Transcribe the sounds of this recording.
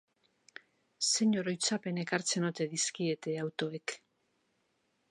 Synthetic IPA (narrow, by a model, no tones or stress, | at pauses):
se̞ɲo̞ɾo̞jt͡sape̞ne̞kaɾt͡se̞not̪e̞ðiskie̞t̪e̞awt̪o̞e̞k